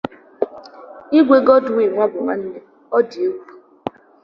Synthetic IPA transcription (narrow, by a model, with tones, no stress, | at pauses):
i˦ɡʷe˨ɡɔ˦dʊ˨i˨ŋʷa˦bʊ˨ma˦n̩˦ne˦ | ɔ˦di˨e˦wʷu˦˨